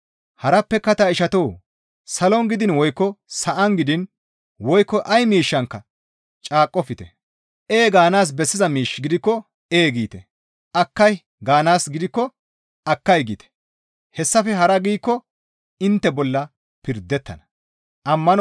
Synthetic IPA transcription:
hɐɾɐpːɛkɐt̪ɐɪʃɐt̪oː | sɐlɔŋɡɪd̪ɪnwɔjkːɔsɐʔɐŋɡɪd̪ɪn | wɔjkːɔʔɐjmiːʃːɐŋkːɐ | t͡ʃʼaːkʼːɔfɪt̪ɛ | ʔeːɡaːnaːs̬bɛsːɪzɐmiːʃːɡɪd̪ɪkːɔ | eːɡiːt̪ɛ | ʔɐkːɐj | ɡaːnaːsɡɪd̪ɪkːɔ | ɐkːɐjɡḭːt̪ɛ̥ | hɛsːɐfɛɦɐɾɐɡiːkːɔ | ɪnt̪ːɛbɔlːɐ | pɪɾd̪ːɛt̪ːɐ̰nɐ | ʔɐmːɐn

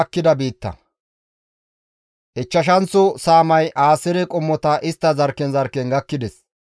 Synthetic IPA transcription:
kːɪd̪ɐbiːt̪ːɐ̰ | ʔɛt͡ʃːɐʃ̬ɐnt͡sːʊsaːmɐjʔaːsɪɾɛkʼʊmːɔt̪ɐʔɪst̪ːɐzɐɾkːɛnzɐɾkːɛnɡɐkːɪd̪ɛs

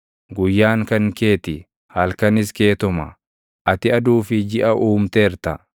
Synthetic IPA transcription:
ɡʊjːaːŋkɐŋke̞ːt̪ɪ | hɐlkɐnɪske̞ːt̪ɔmɐ̰ | ʔɐt̪ɪɐd̪uːfɪd͡ʒɪʔɐʔuːmt̪eːɾt̪ɐ

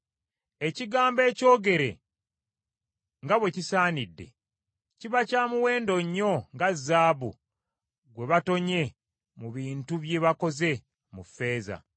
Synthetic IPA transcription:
e̞ciɡaːmbe̞ːco̞ːɡe̞ɾe̞̰ | ŋɡaβwe̞cisaːnidːe̞̰ | ciβacaːmuwe̞ːndo̞ɲːo̞ŋɡazːaːβu | ɡwe̞βato̞ɲe̞ | muβiːntuβje̞βako̞ze̞ | mufːe̞ːza̰

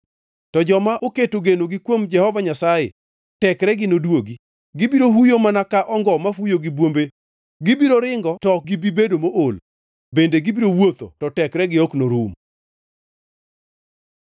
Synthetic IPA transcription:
tɔd͡ʒɔmaʔoketoɡenoɡikwomd͡ʒɛhɔvaɲasajḛ | tɛkɾɛɡɪnodwoɡi | ɡɪbiɾoɦujomanakaʔɔŋɡɔmafujoɡibwombe | ɡɪbiɾoɾɪŋɡɔtɔɡibibedomoʔol | bendeɡibiɾowot̪o̰tɔtɛkɾɛɡɪɔknoɾum

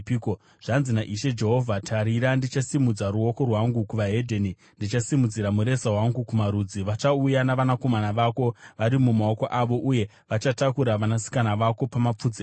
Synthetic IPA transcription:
ko | ʐ̥anzinaʔiʃe̞d͡ʒe̞ɦo̞vʱatʰaɾiɾandit͡ʃasimud͡zaɾuo̞ko̞rwaŋɡukuʋaɦe̞dʱeni | ndit͡ʃasimud͡ziɾamuɾe̞saɦwaŋɡukumaɾud͡ziʋat͡ʃaujanaʋanako̞manaʋako̞ʋaɾimumao̞ko̞ʔaʋo̞ʔuje̞ | ʋat͡ʃatakuɾaʋanasi̥kanaʋako̞pamap͡fud͡zi

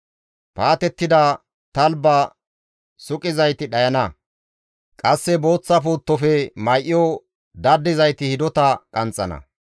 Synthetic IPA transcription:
paːt̪ɛt̪ːɪd̪ɐ | t̪ɐlbɐ | sʊkʼɪzɐjt̪ɪɗɐjɐnɐ | kʼɐsːɛbo̞ːt͡sːɐpuːt̪ːɔfɛmɐjʔɪjɔ | d̪ɐd̪ːɪzɐjt̪ɪhɪd̪ɔt̪ɐkʼɐnt͡sʼːɐ̰nɐ̰

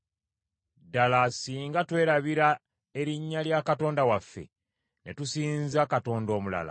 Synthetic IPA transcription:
dalasiːŋɡatwe̞ːɾaβiɾa | e̞ɾiɲːaljakato̞ːndawafːe̞̰ | ne̞tusiːnzakato̞ːndo̞ːmula̰la̰

